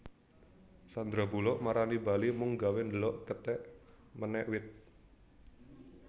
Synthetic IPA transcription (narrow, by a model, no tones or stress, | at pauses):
sand̪ɾabulɔʔmaɾanibalimuŋɡawɪnd̪əlɔʔkət̪ɛʔ | mənɛʔwɪt̪̚